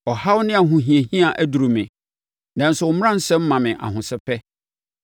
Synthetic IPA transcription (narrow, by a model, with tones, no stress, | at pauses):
ɔ˨ha˦wʊ˦nɪ̃˦a˨ɦʊ̃˨ɦĩ˨e˨hĩ˦a˨ʔæ˦du˨ɾu˨mɪ̰̃˨ | nã˨n̩˦sʊ˨wʊ˨m˦ã˦n̩˦sɛ̃˦m̩˦mã˨mɪ̃˨ʔa̰˨hʊ̃˨sɪ˦pʰɛ˦